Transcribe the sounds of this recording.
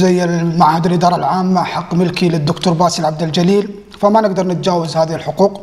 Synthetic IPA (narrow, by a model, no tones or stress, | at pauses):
zajːɪlmaʕhad̪ɪlʔɪd̪ɑːɾˤɑlʕaːmːaʔaħaqːmɪlkilɪd̪ːʊkt̪uːɾˤbaːsilʕab̚d̪ɪld͡ʒaliːl | famanɪɡd̪ɑɾˤnɪt̪̚d͡ʒaːwazhaːðɪhɪlħʊquːq